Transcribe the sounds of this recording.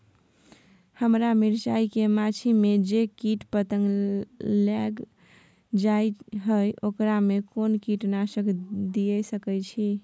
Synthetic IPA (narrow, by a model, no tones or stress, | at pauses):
həmɾamiɾt͡ʃaikemat͡ʃʰimed͡ʒekiʈpət̪əŋɡlɛɡ | d͡ʒajɦəjʔokɾamekonkiʈnaʃəkd̪ijəsəkɛt͡ʃʰi